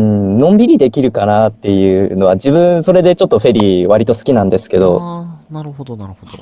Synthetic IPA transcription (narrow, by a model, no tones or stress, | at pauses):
ɯ̟̃nõ̞mbʲiɾʲid̪e̞kʲiɾɯ̟kanat̪ːe̞jɯ̟ːno̞βaʑibɯ̟̃so̞ɾe̞d̪e̞t͡ɕo̞t̪ːoɸe̞ɾʲiβaɾʲit̪o̞sɨ̥kʲinãnd̪e̞sɨ̥ke̞d̪o̞